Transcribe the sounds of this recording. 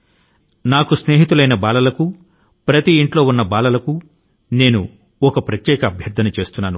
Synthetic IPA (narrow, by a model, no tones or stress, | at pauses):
naːkusne̞ːɦit̪ulɐjnɐbaːlɐlɐku | pɾɐt̪iːɳʈlo̞ːunːɐbaːlɐlɐku | ne̞ːnu | ɔkɐpɾɐt̪jɛːkɐːbʱjɐɾd̪ʰʱɐnut͡ʃe̞ːst̪unːaːnu